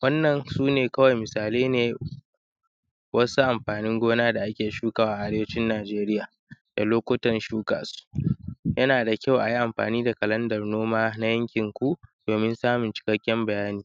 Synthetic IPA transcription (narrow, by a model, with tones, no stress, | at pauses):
wɐ˦nːɐ˨nsuː˦neː˨kɐ˦wɐ˨jmɪ˨saː˨leː˦neː˨ | wɐ˦su˦ʔa˨mɸaː˨nɪ˦ŋɡʷoː˦naː˦da˨ʔa˦kʲeː˨ʃuː˦kaː˨waː˨ʔʔa˦ɽeː˦wɐ˦t͡ʃɪ˦nːaː˨d͡ʒeː˦ɾɪ˦jaː˨ | d̥a̰˨loː˦kʷo˦tɐ˨nʃuː˦ka̰ː˨su̥˦jɐ˦naː˨da˨kʲa˦wʔa˨ji˦ʔa˨mɸa̰ː˨niː˦da˨kɐ˨lɐ˦ndɐ˨rnoː˦maː˦na˦jɐ˦ŋkʲɪ˨ŋkʷu˦d̥oː˨mɪ˦nsaː˦mʊ˨nt͡ʃɪ̥˨kɐ˦kʲːɛ˦mbɐ˨jaː˦niː˨